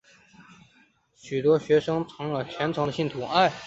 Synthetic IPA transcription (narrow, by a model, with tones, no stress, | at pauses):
ɕy˨˩t̪wɔ˥ɕɥɛ˧˥ʂɤ˥ŋt͡sʰɤ˧˥ŋlə˨t͡ɕʰjɛ˧˥nt͡sʰɤ˧˥ŋd̪ə˧ɕi˥˩nt̪ʰu˧˥a˥˩ɪ